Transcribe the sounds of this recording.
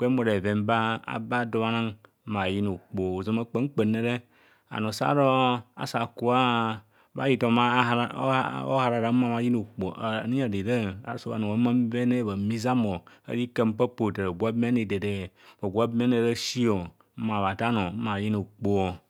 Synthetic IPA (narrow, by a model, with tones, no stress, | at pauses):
k͡pe˦mo˨ɾe˨ve˨mba˦a̰˨ba˦do˦ma˦nã˦ŋ˦ | ma˨ji˦no˨k͡po˨o˨zo˨me˦k͡pe˦ŋ˦k͡pe˨ne˨ɾe˦ | a̰˨no˨sa̰˦ɾo˦a̰˨sa˨ku˨a˦ | ba̰˦ji˦tɔ˨ma˦˨˦o̰˦ha˨ɾa˨ɾa˨˦ã˨ma˨ji˦no˨k͡po̰˨ni˦a˨de˨ɾe˦a̰˨˦so˦a̰˨no˨o˨˦ma˦m˦ve˦ne˦˨ba˨mi˦za˦mo˨ḛ˦ɾi˦ke˦m˦pe˦po˨te˨ɾe˨ɡʷa˦bm˦e˦ne˨de˨de˨bo˨ɡʷa˦be˦ne˨ɾe˦ʃi˦o˨˦ | ma˨βa˨ta˦no˨˦ma˨ji˦no˨k͡po˨o˨